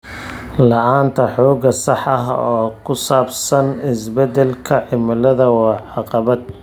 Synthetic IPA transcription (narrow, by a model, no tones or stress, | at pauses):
lɑʔaːnt̪ʰɐħɔːɡɐsɑħɑɦɔːkʰʊsaːbsɐnɪsbɛd̪ɛlkʰɐʕɪmɪlɐðɐwɑːʕɑqɑβɐd̪̚